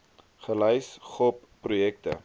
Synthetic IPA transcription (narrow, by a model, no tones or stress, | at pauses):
χəlœjsχɔpːrujɛk̚tə̰